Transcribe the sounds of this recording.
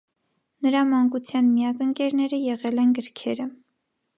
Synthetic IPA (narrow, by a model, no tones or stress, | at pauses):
nəɾɑmɑŋkut͡sʰjɑnmijɑkəŋkɛɾnɛɾəjɛʁɛlɛnɡəɾkʰɛɾə